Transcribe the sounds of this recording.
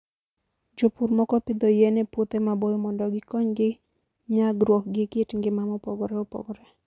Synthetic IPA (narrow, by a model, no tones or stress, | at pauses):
d͡ʒopuɾmɔkɔpɪd̪ɔjenɛpot̪emabojɔmɔndɔɡɪkɔɲɡɪ | ɲaɡɾwɔk̚ɡɪketŋɡɪmamɔpɔɡɔɾɛopɔ̰ɡɔɾɛ